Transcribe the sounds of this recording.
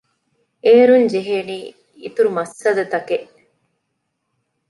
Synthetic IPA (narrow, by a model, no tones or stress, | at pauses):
eːɾuɲd͡ʒeɦeːniː | it̪uɾumɐsːɐd̪ɐt̪ɐkeʔ